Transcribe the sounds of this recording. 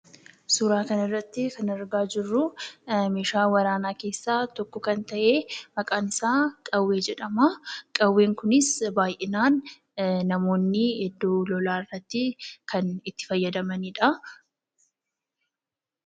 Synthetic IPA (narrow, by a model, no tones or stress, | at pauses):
suːɾaːkɐnɪrːɐt̪ːɪkɐnɐɾɡaːd͡ʒɪrːʊme̞ːʃaːwɐɾaːnaːke̞ːsːaːt̪ɔkːɔkɐnt̪ɐʔe̞ːmɐkʼaːnɪsaːkʼɐwːeːd͡ʒɛᶑɐmɐkʼɐwːe̞ːŋkʊnɪsbaːjʔɛnaːn | nɐmo̞ːnːɪhɛd̪ːuːlɔlaːɪrːɐt̪ːɪkʰɐnɪt̪ːɪ̥fɐjːɐd̪ɐmɐniᶑɐ